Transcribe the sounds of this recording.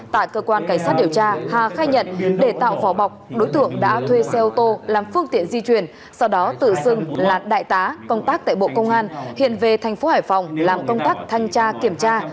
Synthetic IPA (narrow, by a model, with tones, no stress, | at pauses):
t̪a̰ː˧˨jkəː˧kwaː˧nkaː˧˩ŋ̟saː˦˥t̚ɗi˨˩əwt͡ɕaː˧haː˨˩xaː˧jɲə̰˧˨nɗe˧˩t̪a̰ː˧˨wfɔ˨˦ɓa˨˩wk͡p̚ɗo˨˦jt̪ɨ̰˧˨əŋɗa̰ː˧˥t̪ʰwe˧sɛ˧ʔo˧t̪o˧laː˨˩mfɨ˧əŋt̪ḭ˧˨ənzi˧t͡ɕwi˨˩ən | sɔ˧wɗɔ˨˦t̪ɨ̰˧˨sɨ˧ŋlaː˨˩ɗa̰ː˧˨jt̪aː˨˦kə˧wŋ͡mt̪aː˦˥k̚t̪a̰ː˧˨jɓo̰˧˨kə˧wŋ͡mʔaː˧nhḭ˧˨ənve˨˩t̪ʰa˨˩jŋ̟fo˨˦haː˧˩jfa˨˩wŋ͡mlaː˨˩mkə˧wŋ͡mt̪aː˦˥k̚t̪ʰa˧jŋ̟t͡ɕaː˧ki˧˩əmt͡ɕaː˧